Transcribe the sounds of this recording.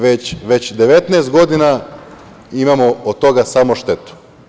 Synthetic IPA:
ʋet͡ɕʋe̞t͡ɕd̪eʋet̪nɛːst̪̚ɡo̞d̪ina | imamood̪̚t̪o̞ɡasamoʃt̪et̪u̥

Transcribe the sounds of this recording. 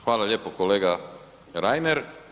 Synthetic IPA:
xʋaːlaʎjeːpokoleːɡa | ɾaːjmeɾ

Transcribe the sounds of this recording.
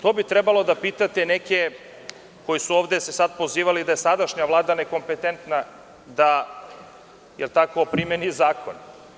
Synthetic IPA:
t̪oːbit̪ɾebalo̞d̪apit̪at̪eneke | ko̞jisuoːʋd̪esesad̪̚po̞ziːʋalid̪aje̞sad̪aʃɲaʋlˠaːd̪aneko̞mpet̪ent̪na | d̪a | jelt̪akopɾimenizaːkon

